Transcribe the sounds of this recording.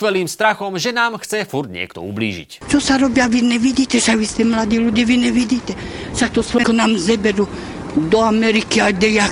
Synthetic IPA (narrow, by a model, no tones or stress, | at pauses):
ʋɛliːmst̪ɾaxɔmʒɛnaːmxt͡sɛfuɾd̪ɲɪɛ̰kt̪ɔ̰ṵblḭːʒḭct͡ʃɔsaɾɔbjaʋinɛʋiɟiːt̪ɛʃaɡʋist̪ɛmlad̪iːluɟ̪iʋinɛʋiɟiːt̪ʲɛʃak̚t̪ɔsʋɔkɔnaːmzɛbɛɾu | d̪ɔamɛɾikiad̪ɛja